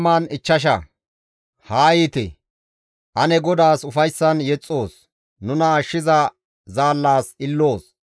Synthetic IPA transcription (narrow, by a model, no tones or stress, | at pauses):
maːnɪt͡ʃːɐʃ̬ɐ̰ | haːjit̪ɪ̰ | ʔɐnɛɡɔd̪aːsʊfɐjsːɐnjɛt͡sʼːo̞ːs | nʊnɐːʃːɪzɐ | zaːlːaːsɪlːo̞ːs